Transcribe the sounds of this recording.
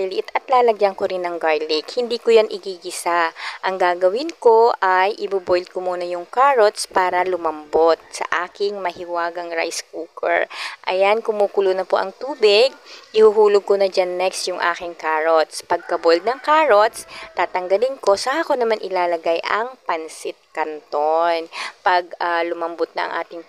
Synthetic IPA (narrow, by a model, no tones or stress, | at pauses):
ilɪʔɪt̪ɐt̪laːlɐɡjɐŋkoɾɪnːɐŋɡaɹlɪkhɪnd̪iːkojanʔɪɡiːɡɪsaʔɐŋɡaːɡɐwɪnko̞ʔajʔɪbubojld̪̚komuːnɐjʊŋkaːɹot̪spaːɾɐlʊmɐmbot̪̚sɐ̰ʔaːkɪŋmɐhɪwaːɡɐŋɹa̰jskuːkɛ̰ɹʔɐ̰jankʊmuːkʊlunɐpoʔɐ̰ŋt̪uːbɪɡ̚ʔɪhuɦuːloɡ̚konɐd͡ʒanːɛkst̪jʊŋʔa̰ːkɪŋkaːɹot̪spɐɡ̚kɐbojld̪̚nɐŋkaːɹot̪st̪aːt̪ɐŋɡɐlɪnko̞sahakonɐmanʔɪlaːlɐɡajʔɐŋpɐnsɪt̪̚kɐnt̪onpɐɡ̚alʊmɐmbot̪̚nɐ̰ʔɐ̰ŋʔa̰ːt̪ɪŋ